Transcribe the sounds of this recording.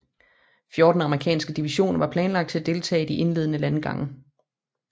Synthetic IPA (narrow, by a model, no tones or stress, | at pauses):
fjo̝ːd̥n̩ɑ̈məʁikʰɛ̰ːnsɡ̥əd̥iʋiɕo̝̰ːnɐʋɑ̈pʰlɛːnlɑ̈ɡ̥̚t͡sʰe̝æd̥e̝lt͡sʰɛ̰ːd̥iʔe̝nle̝ð̞̰ˠənəlænɡ̥ɑ̈ŋə